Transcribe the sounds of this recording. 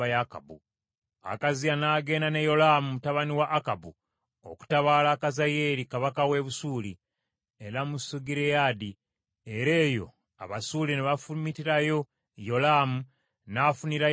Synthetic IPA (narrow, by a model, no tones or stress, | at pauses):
ajaka̰bṵ | a̰kazianaːɡe̞ːndanejo̞laːmumutaβaniwaʔːkabu | o̞̰ku̥taβalakazaje̞ːlikaβakawe̞βusuːli | e̞ɾamusuɡiɾejaːdi | e̞ɾe̞ːjo̞̰ | a̰βasuːlineβafumitiɾajo̞ | jo̞laːmu | naːfuniɾa